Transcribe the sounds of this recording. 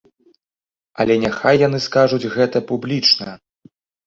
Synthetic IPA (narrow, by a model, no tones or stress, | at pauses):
ɐ̰lʲɛnʲaxajːan̪ɨskaʐud͡zʲɣɛt̪ɐpublʲit͡ʂnɐ